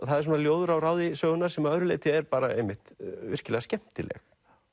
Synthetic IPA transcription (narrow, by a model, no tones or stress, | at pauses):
θaðɛɾs̬oːnaljoːwðʏɾawɾaːwðɪsœːɣʏnaɾ̥sɛmaœðɾʏleːjt̪ɪɛɾpaːɾa̰ḛjmɪht̪vɪr̥cɪlɛɣascɛm̥t̪ɪlɛ̰x